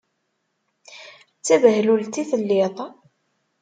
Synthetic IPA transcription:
t͡sːævəɦlult̪iθəlːɪðˤ

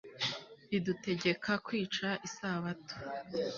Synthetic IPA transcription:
idute̞ɟe̞kʰakwiːt͡ʃaʔisaːβato̥

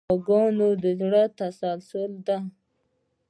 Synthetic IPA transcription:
aɡɑnod̪əzɽət̪asalsold̪a

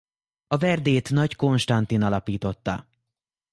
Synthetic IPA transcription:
ɒvɛrd̪eːt̪nɒcko̞nʃt̪ɒnt̪inɒlɒpiːt̪o̞t̪ːɒ̰

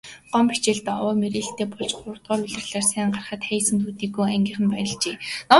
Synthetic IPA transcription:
ɢ̥ɔmpi̥t͡ɕeːɮt̪ɔwɔːmeɾeːɬt̪eːpɔɮt͡ɕχʊ̆rt̪̚ɢɔːruɮɘ̆rɮaːrsæːɴɢarχə̆t̪χæjsɘ̆nt̪ʰuːt̪iːɡujæŋɡʲiːχɘ̆npæjə̆ɮt͡ɕeːnɔ

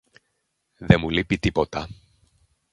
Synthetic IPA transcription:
ðemulipit̪ipo̞t̪ɐ

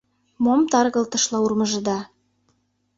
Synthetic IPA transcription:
momt̪ɑrɣɤ̆lt̪ə̆ʃlɑurmə̆ʒə̆d̪ɑ

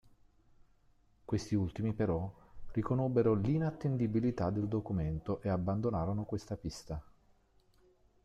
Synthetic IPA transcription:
kwest̪iult̪imipeɾɔrikonobːeɾolinat̪ːend̪ibilit̪ad̪ːeld̪okument̪oʔeabːand̪onaːɾonokwest̪apist̪a

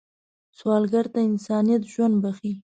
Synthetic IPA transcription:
t͡swɑlɡaɾt̪aɪnsɑnijat̪ʒwand̪̚baxi

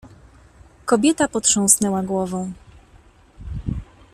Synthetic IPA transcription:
kɔbʲjɛt̪apɔt̪ʂɔ̃w̃snɛwaɡwɔvɔ̃w̃

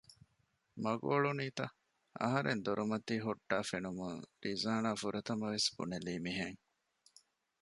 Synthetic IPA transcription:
mɐɡoːɭuniːt̪ɐ | ʔɐ̰ɦɐɾḛnd̪oɾʔumɐt̪iːɦuʈːaːfenumuŋɾizaːnaːfuɾɐt̪ɐmɐʋesb̥ṵneliːmiɦeŋ

